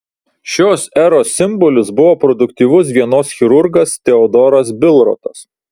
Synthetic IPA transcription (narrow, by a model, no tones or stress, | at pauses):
ʃʲoːsɛɾoːsʲɪmbɔlʲʊsbʊʋoːpɾɔd̪ʊkt̪ʲiːʋʊs̬ʋʲiɛnoːsxʲɪɾʊɾɡɐst̪ʲɛɔd̪ɔːɾɐs̬bʲɪlˠɾɔ̰ːt̪ɐs